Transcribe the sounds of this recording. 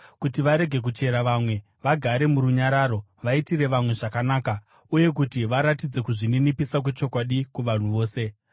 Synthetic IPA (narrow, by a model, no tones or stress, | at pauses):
kutiʋaɾe̞ɡʱe̞k̬ut͡ʃe̞ɾaʋaːmwe̞ | ʋaɡʱaɾe̞muɾuɲaɾaːɾo̞ | ʋaitiɾe̞ʋamwe̞ʐakanaːka | uje̞k̬utiʋaɾatid͡ze̞kuʐininipisakwe̞t͡ʃo̞kwaɗikuʋan̤uʋo̞ːse̞